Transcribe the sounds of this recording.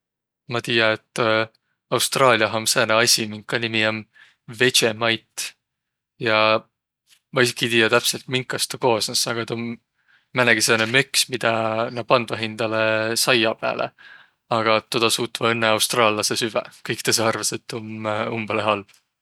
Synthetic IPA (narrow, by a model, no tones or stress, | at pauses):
mɑt̪iːjɑet̪ˑː | ɑwst̪rɑːliɑɦɑmseːneɑsʲimiŋkːˑɑnʲimiɑm | ve̞t͡ʃemɑjt̪ːˑ | jɑ | mɑisikit̪ijɑt̪æpse̞lt̪miŋkːˑɑst̪ɑko̞ːsnɑsɑɡ̥ɑt̪omː | ænæɡ̥isenemøksmid̪̥ɑnɑpɑnd̪vɑɦind̪̥ɑlesɑjɑpæ̰ːlʔḛ | ɑɡ̥ɑt̪ːod̪̥ɑsuːt̪ːvɑenːeɑwst̪rɑːlɑse̞syvɛ̰kɤjkt̪eseɑrvɑset̪ːomumb̥ɑleɦɑlb̥